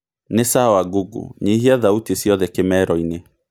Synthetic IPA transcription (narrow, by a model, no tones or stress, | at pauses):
nesawaɡuɡṵɲiɦiaðautisjɔðɛkemɛɾɔine